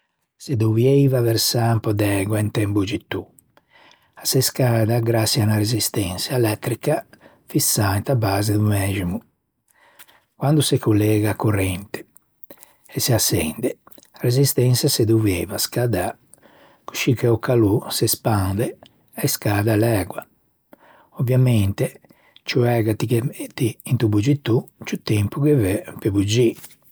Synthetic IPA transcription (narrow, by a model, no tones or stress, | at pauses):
sed̪uvjejvavɛɾsampɔd̪ɛːɡwaint̪ɛmbud͡ʒit̪ːu | asɛskaːd̪aɡɾasianaɾezist̪ɛnsjaɛlɛt̪ːɾika | fisːaint̪abaːzed̪umɛːd͡ʒimu | kwand̪usɛkulːɛːɡakurɛnt̪e̥ | ɛsiasːɛ̰nd̪ɛrezist̪ɛnsjased̪uvɛːvaskad̪a | ku̥ʃikɛɔkalusɛspand̪ɛ | ɛskaːd̪alɛɡwa | ovːjamɛnt̪e | t͡ʃuɛɡat̪ikt̪iːnt̪ubud͡ʒit̪ːut͡ʃut̪ːɛmpukevɛpebud͡ʒi